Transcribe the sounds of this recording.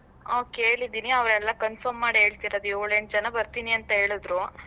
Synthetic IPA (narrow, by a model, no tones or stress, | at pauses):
oːke̞ːɭid̪iːniɐʋɾɛlːɐkɐnfʰɐɾmːaːɽiɦe̞ːɭt̪iɾɐd̪uoːɭeɳɖ̚d͡ʒɐnɐbɐɾt̪iːniɐnt̪ɐɦe̞ːɭud̪ɾu